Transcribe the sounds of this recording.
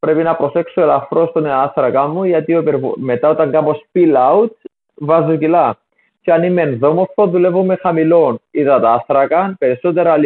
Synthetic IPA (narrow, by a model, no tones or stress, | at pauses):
pɾe̞pinɐpɾo̞se̞ksoelɐfɾost̪oneɐst̪ɾɐkɐmːuʝɐt̪ioipeɾvo̰me̞t̪ɐot̪ɐŋɡɐpo̞spilɐut̪ | vɐzucilɐ | ceɐnimenðo̞mofoðule̞vumexɐmilo̞niðɐt̪ɐɐst̪ɾɐkɐnpe̞ɾiso̞t̪e̞ɾɐl